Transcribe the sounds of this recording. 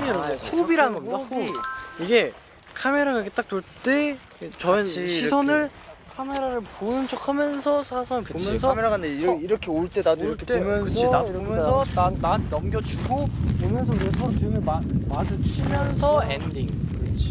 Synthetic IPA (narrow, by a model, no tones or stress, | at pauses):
sʰobiɾanɯnɡʌmɲdaoiiɡe̞ | kʰame̞ɾaɡaiɡet͈ak̚t͈oɭt͈e̞ | t͡ɕʌɯnɕʰisʰʌnɯɭ | kʰame̞ɾaɾɯɭponɯnt͡ɕʰokʰamjʌnsʰʌsʰasʰʌnɯɭkomjʌns̬ʰʌmeɾaɡandeiiɾʌkʰe̞oɭt͈e̞dadoiʌɭkʰet͈eomjʌnʰɯidaomjʌnsʰʌananːʌmɡjʌt͡ɕuɡopomjʌnsʰʌkɾesʰʌɯŋɯɭmamad͡ʑut͡ɕʰimjʌns̬ʰʌendiŋet͡ɕʰi